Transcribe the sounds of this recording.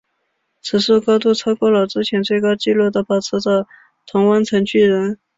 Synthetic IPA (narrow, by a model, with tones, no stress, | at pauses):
t͡sʰɹ̩˧˥ʂu˥˩kɑ˥ʊt̪u˥˩t͡sʰɑ˥ʊkwɔ˥lɑ˨˩ʊʈ͡ʂɻ̩˥t͡ɕʰjɛ˧˥nt͡swe˥˩ɪkɑ˥ʊt͡ɕi˥˧lwɔ˥˩d̪ə˩pɑ˨˩t͡s̩ʰ˧˥t͡sɑ˥˩ʊ | t̪ʰʊ˧˥ŋwə˥nt͡sʰə˧˥ŋt͡ɕʰy˥˩ɻə˧˥n